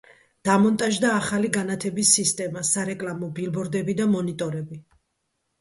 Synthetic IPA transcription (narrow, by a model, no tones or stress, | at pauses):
d̪̥amɔnt̪ʼaʒd̪aːχaliɡanat̪ʰɛbisːist̪ʼɛmasaɾɛkʼlamɔbilbɔɾd̪ɛbid̪amɔnit̪ʼɔɾɛbi